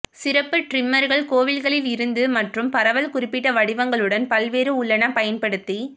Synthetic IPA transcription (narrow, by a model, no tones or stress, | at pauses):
sɪɾɐpːɯʈrɪmːɐɾɣɐɭkoːʋɪlɣɐɭɪlɪɾɯnd̪ɯmɐʈrɯmpɐɾɐʋɐlkʊrɪpːɪʈːɐʋɐɽɪʋɐŋɡɐɭɯɽɐnpɐlʋeːɾɯʊɭːɐnɐpɐjɐnpɐɽɯt̪ːi